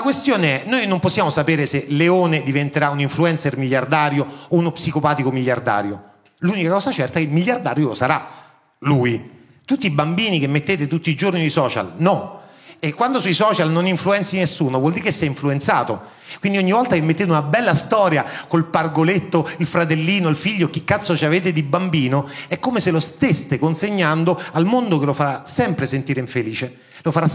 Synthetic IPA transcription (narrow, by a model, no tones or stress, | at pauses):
lakwest̪joːneɛnoːjnomposːjaːmosapeːɾeseleoːned̪ivent̪eɾauniɱfluɛnt̪sermiʎjːard̪aːɾjoːunopsikopaːt̪ikomiʎːard̪a̰ːɾjo | lunikakɔːzat͡ʃɛrt̪akilmiʎːard̪aːɾjolosaɾa | luːji | t̪ut̪ːiibambiːnikemːet̪ːeːt̪et̪ut̪ːiːd͡ʒornid̪isɔːt͡ʃa̰lnɔekːwand̪osuisɔːt͡ʃalnoniɱfluɛnt̪sinesːuːnovwɔld̪iːɾekesːɛjiɱfluent̪sa̰ːt̪o | kwind̪ioɲːivɔlt̪akemːet̪ːeːt̪unabɛlːast̪ɔːɾjakolparɡolet̪ːoilfɾat̪elːiːnoilfiʎːoekːikːat̪sːot͡ʃaveːt̪̬ed̪ibambiːnoɛkːomeselost̪est̪ekonseɲːand̪oalmond̪okelofaɾasɛmpɾesent̪iːɾeiɱfeliːt͡ʃe | lofaɾa